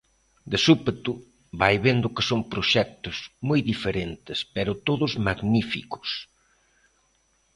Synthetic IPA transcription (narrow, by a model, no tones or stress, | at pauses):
d̪esupet̪u | βajβend̪ʊkɪ̥soŋpɾoʃɛk̚t̪ʊzmojðifeɾent̪ɪspɛɾʊt̪oðʊzmaɡnifḭkʊ̥s